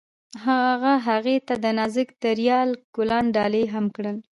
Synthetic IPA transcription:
ɦaaɣaɦaɣet̪ad̪ənɑzəkd̪əɾjɑlkʊlɑnɖɑleɦamkɽəl

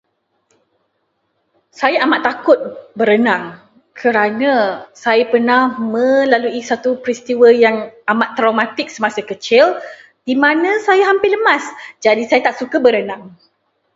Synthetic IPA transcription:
sajaʔamaʔt̪ːakʊt̪̚bəɾənãŋ | kʰəɾanãsajapərnahmə̃laluisat̪upɾist̪iwəjaŋamat̪ːɾawmãt̪ɪk̚səmasəkət͡ʃɪl | dimãnãsajaɦampɪləmãsd͡ʒadisajat̪aʔsukabəɾənãŋ

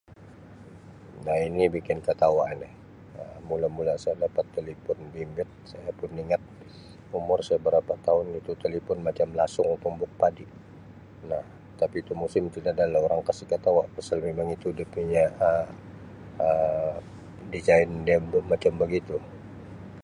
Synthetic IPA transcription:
nahinibikɪnkat̪awaʔnɛh | əmulamulasajadapat̪ːelipɔnbimbɪt̪̚sajapʊniŋat̪̚ | umʊrsajabəɾapat̪aʊnit̪ut̪elipɔnmat͡ʃamlasʊŋpumbʊk̚padi | nah | t̪apiːt̪umusɪmt̪idadalaoɾaŋkasɪhkat̪awaʔpasalmemaŋit̪udəpiɲaə | ə | did͡ʒaɪndiabəmat͡ʃambəɡit̪u

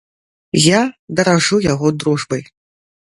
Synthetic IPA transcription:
jad̪ɐɾaʐujaɣɔd̪ɾuʐbɐj

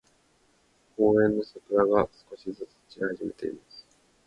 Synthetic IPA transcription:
koːẽ̞nːo̞sakɯ̟ɾaɡasɨ̥ko̞ɕizɨt͡sɨ̥t͡ɕihaʑime̞t̪e̞ḭmasɨ̥

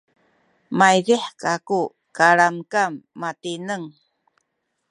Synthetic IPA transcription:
majɾiħkaku | kaɾamkamːatinəŋ

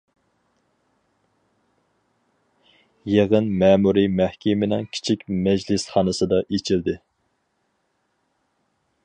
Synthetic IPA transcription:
jeʁənmɛːmuɾimɛhkʲimɪnɪŋkʲʰi̥t͡ʃʰikʲmɛd͡ʒlɪsχɑːnɨsɨd̪ɑʔet͡ʃʰild̪ɪ

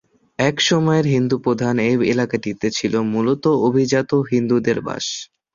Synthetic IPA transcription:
ɛkʃɔmɔeɾɦind̪upɾod̪ʱanebelakaʈit̪et͡ɕʰilomulot̪oobʱid͡ʑat̪oɦind̪ud̪eɾba̰ʃ

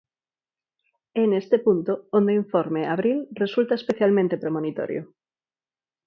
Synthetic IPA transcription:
enest̪epunt̪oond̪eiɱfoɾmeaβɾilresult̪aespeθjalmẽnt̪epɾomõnit̪o̰ɾjo̰

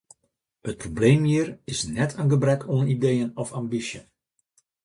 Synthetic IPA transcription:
hət̚probleːmhiərɪsnɛtʰənɡəbrɛkʰunidejənɔfambisjən

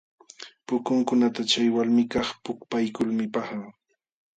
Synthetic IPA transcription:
pʊkʊŋkʊnat̪at͡ʃajwalmɪkɑχpʊkpajkʊlmɪpɑχɑ

